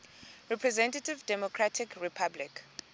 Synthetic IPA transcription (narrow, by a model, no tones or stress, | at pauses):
ɹɛpʰɹɛzɛ̃ntativdɛmɔkʰɹatʰikɹipʰablik